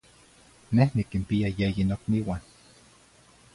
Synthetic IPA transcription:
nehnikimpiajejinokniwan

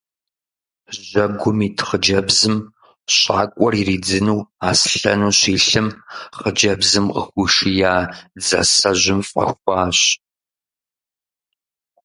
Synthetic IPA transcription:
ʑɐɡʷʊmiːtʰχəd͡ʒɐbzɨm | ɕʼaːkʷʼɔririːd͡zɨnuːaːsɬɐ̰nuːɕiːɬɨmχəd͡ʒɐbzɨmqʼə̰xʷʊʂijaːd͡zɐ̰sɐʑʷʊmfʼɐ̰xʷɑːɕ

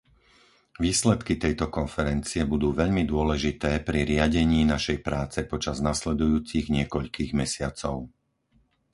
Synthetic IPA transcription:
ʋiːslɛt̪kit̪ɛjt̪ɔkɔnfɛɾɛnt͡siɛbud̪uːʋɛʎmid̪ʊɔlɛʒit̪ɛːpɾiɾɪaɟɛɲiːnaʃɛjpɾaːt͡sɛpɔt͡ʃaznaslɛd̪ujuːt͡siɣɲɪɛkɔʎkiːɣmɛsɪat͡sɔʊ

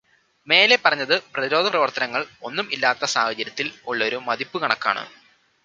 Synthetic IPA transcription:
me̞ːle̞pːɐrɐɲːɐðɨprɐðiɾo̞ːd̪ʱɐprɐʋɐrt̪ɐnɐŋːɐɭo̞nːumilːaːt̪ːɐsaːhɐt͡ɕɐɾjɐt̪ːiloɭːɐo̞ɾumɐðipːukɐɳɐkːa̰ːɳɨ̰

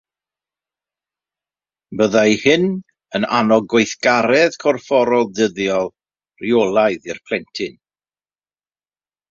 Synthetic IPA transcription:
bəðajhɪn | ənanɔɡweɨθɡ̥aɾɛðkʰɔrfɔɾɔlˠdəðjɔlˠ | riolˠaɨðirpʰl̥ˠɛntʰɪn

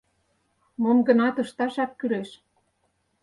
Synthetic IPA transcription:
momɡə̆nɑt̪ɤ̆ʃt̪ɑʃɑkkːyleʃ

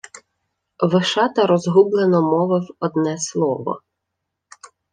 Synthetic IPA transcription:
ʋɪʃɑt̪ɐɾɔzɦublˠenɔmɔʋɪwɔd̪nɛslˠɔʋɔ̰

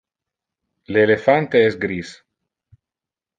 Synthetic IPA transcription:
leːlefant̪eɛsɡɾis

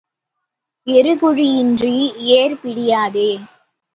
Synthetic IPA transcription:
ɛɾɯɣʊɻiɪndrieːɾpɪɽɪjaːðeː

